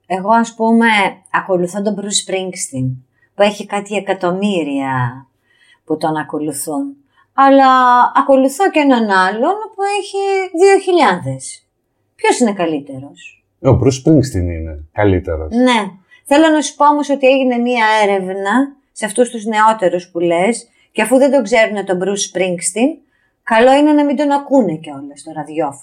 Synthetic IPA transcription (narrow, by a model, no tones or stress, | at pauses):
e̞ɣo̞ɐspume̞ɐko̞luθond̪o̞bɾuspɾiŋɡst̪iŋ | pue̞çikɐt̪ie̞kɐt̪o̞miɾiɐ | put̪onɐko̞luθun | ɐlɐɐko̞luθo̞cenonɐlo̞nopue̞çiðioçiʎɐnðe̞s | pço̞sine̞kɐlit̪e̞ɾo̞s | obɾuspɾiŋkst̪inḭnekɐlit̪ḛɾo̰ne̞ | θe̞lo̞nɐsu̥po̞omo̞so̞t̪ieʝine̞miɐe̞ɾe̞vnɐ | seɐft̪ust̪uzne̞o̞t̪e̞ɾuspule̞s | ceɐfuðe̞nd̪o̞ɡze̞ɾune̞t̪o̞bɾuspɾiŋkst̪in | kɐlo̞ine̞nɐmind̪o̞nɐkune̞ceo̞lest̪o̞ɾɐðjʝo̞